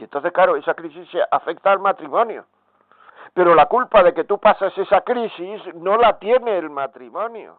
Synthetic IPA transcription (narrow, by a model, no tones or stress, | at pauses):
ent̪o̞θesklaɾoe̞sakɾisisːeʔafe̞k̚t̪aːlmat̪ɾimõ̞njo̰ | pe̞ɾo̞lakulpað̞e̞ke̞t̪upasese̞sakɾisizno̞lat̪je̞ne̞ːlmat̪ɾimõ̞njo̰